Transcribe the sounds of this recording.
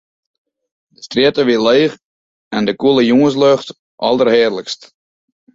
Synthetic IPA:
dəstriətəʋiːlœɥχ | ɛndəkuəlˠəjuŋəs̬løχt | ʔɑ̰lˠdərɦɛːrləkst

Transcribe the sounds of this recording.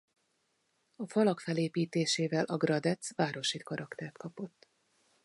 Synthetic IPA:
ɒfɒlɒkfɛleːpiːt̪eːʃeːvɛlʔɒɡrɒd̪ɛt̪svaːɾo̞ʃikɒɾɒkt̪ɛrt̪kɒpo̞t̪ː

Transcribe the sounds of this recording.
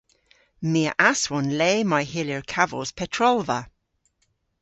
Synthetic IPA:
miːəʔaswɔnlɛːmajɦɪləɹkʰavɔz̥pʰɛtʰɹɔlvə̰

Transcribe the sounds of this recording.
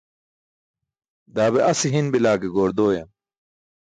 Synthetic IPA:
d̪aːbeʔɐsiɦinbilaːɡiɡoːɾd̪oːjɐ

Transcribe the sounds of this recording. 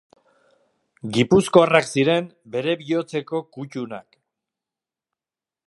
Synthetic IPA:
ɡipusko̞araksiɾe̞mbe̞ɾe̞βio̞t͡se̞ko̞kut͡ʃunak

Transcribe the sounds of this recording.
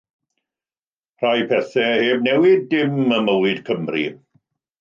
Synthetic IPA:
r̥ajpʰɛθɛheːb̚nɛwɪdɪməməwɪd̥kʰəmrḭ

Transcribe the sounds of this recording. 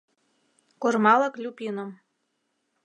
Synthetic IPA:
kormɑlɤklʲupjinɤ̆m

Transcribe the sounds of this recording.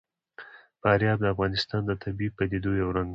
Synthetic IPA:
pɑɾjɑb̚d̪əafɣɑnɪst̪ɑnd̪ət̪ʰabipad̪ed̪ojawɾaŋɡ

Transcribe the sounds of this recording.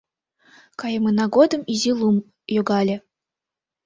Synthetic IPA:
kɑjəmɤnɑɡod̪ə̆mizilˠum | joɡɑlʲĕ

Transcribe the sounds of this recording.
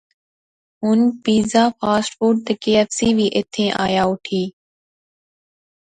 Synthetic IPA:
ɦʊnpiːzaːpʰaːsʈfuːʈ̚t̪əkeːəfsiːʋʱiːʔɪt̪ʰẽːʔaːjaːʊʈʰiː

